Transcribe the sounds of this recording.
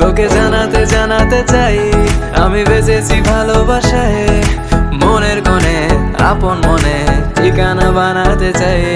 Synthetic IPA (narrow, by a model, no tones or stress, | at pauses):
koked͡ʒanat̪ed͡ʑanat̪et͡ɕaja̰mibet͡ʃet͡ɕʰibʱalobʱaʃae | moneɾkonea̰ponmonekikanabanat̪et͡ɕaj